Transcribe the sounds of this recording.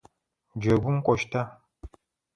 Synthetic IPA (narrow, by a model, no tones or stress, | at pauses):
d͡ʒeɡʷuŋkʷɔʃta